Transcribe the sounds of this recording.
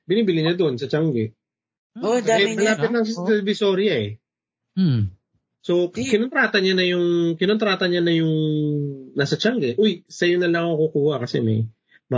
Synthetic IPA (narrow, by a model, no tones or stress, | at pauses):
bɪniːbɪlɪɲɐd̪o̞nsɐt͡ʃaŋɡɛ | oɐmɐlaːpɪt̪̚nɐŋɛlvɪsoɾjɐɛ | so̞kɪnont̪ɾaːt̪ɐɲanɐjʊŋkɪnont̪ɾaːt̪ɐɲɐnɐjʊŋ | nasɐt͡ʃaŋɡɛʔojsɐjʊnɐlɐŋkokuːhɐkɐsɛ̰mɐj | mɐ